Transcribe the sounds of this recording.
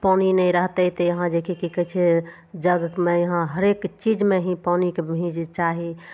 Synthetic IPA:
pɔninəiɾəɦt̪ət̪ɔjəɦãd͡ʒekekikət͡ʃʰe | d͡ʒəɡmejəɦãɦəɾekt͡ʃid͡ʒmeɦĩpɔnikebbʱĩd͡ʒt͡ʃaɦi

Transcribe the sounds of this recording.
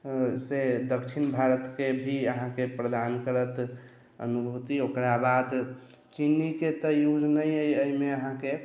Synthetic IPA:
sed̪əkt͡ʃʰinbʱaɾət̪kebʱiəɦãkepɾəd̪ankəɾət̪ | ə̰nubʱut̪iokɾabad̪ | t͡ʃiniket̪ɔjud͡ʒnəjəjəimeəɦãke

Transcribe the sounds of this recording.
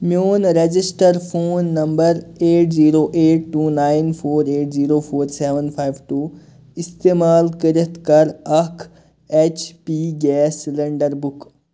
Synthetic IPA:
mjoːnɾed͡ʒɪsʈəɾpʰoːnːɐmbəɾeːʈziːɾoːʔeːʈːuːnaːɪnpʰoːɾeːʈziːɾoːpʰoːɾseːʋənpʰaːjʋʈuː | ɪst̪eːmaːlkəɾət̪kɐɾɐkʰ | eːt͡ʃpiːɡɛːsleɳɖəɾbʊk

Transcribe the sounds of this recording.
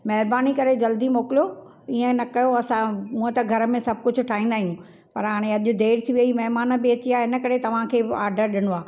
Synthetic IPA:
mɐɦɪɾbaːnikɐɾed͡ʑɐld̪imoːkɪlijo | iːə̃nɐkɐjoɐsãmũːɦə̃t̪ɐɡʱɐɾə̆mẽsɐb̚ʱkʊd͡ʑʱʊ̆ʈʰaːɦĩːnd̪aːijũ | pɐɾɦaːɽ̃ẽɐʄʊd̪eːɽt̪ʰiʋɐimɐɦmaːnəbɪɐt͡ɕiaːɦɪnə̆kɐɾet̪ɐʋ̤ãkʰeːaːɾɖəɾɗɪɽ̃oaː

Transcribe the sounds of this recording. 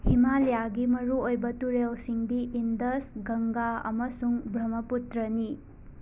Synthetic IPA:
himaljaɡimɐɾuojbɐtuɾelsiŋdiindɐsɡɐŋɡaɐ̰mɐsuŋbɾɐmɐputɾɐni

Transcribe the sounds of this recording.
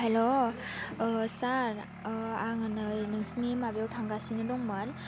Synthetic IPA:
helo | saɾ | aŋɯnɯjnɯŋsinimabjawtʰaŋɡasinɯdɔŋman

